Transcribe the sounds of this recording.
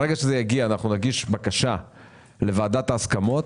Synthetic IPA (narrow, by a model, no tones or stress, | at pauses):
ʁeɡaʃezejaɡiaːnaχnunaɡiʃbakaʃa | le̞vaːd̪at̪aːskamo̞t